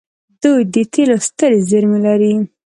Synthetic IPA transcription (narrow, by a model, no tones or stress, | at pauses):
d̪ujd̪ət̪ʰelost̪əɾezɪɾmelaɾi